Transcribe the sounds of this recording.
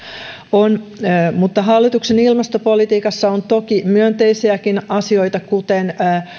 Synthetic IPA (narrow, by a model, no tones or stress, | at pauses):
onmut̪ːɑɦɑlːit̪uksenilmɑst̪opolit̪iːkɑsːɑont̪okimyønt̪eisiækinɑsio̞ijt̪ɑkut̪enː